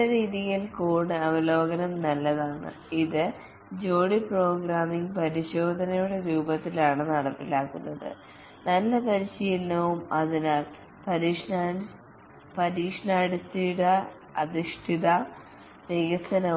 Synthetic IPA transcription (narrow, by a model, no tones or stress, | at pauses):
ɐɾiːðijilkuːɳɨɐʋɐlo̞ːɡɐnɐmnɐlːɐðaːɳɨ̰ | iðɨ | d͡ʑo̞ːɽipro̞ːɡɾaːmiŋɡpɐɾiɕo̞ːd̪ʱɐnɐjuɽe̞ɾuːbɐt̪ːilaːɳɨnɐɽɐpːilaːkːunːɐðɨ̰ | nɐlːɐpɐɾiɕijilːɐʋumɐðina | pɐɾiʂ | pɐɾiːʂɐɳaːɽist̪ːiɽɐ | ɐðiʂʈʰiðɐ | teːɣɐsɐnɐ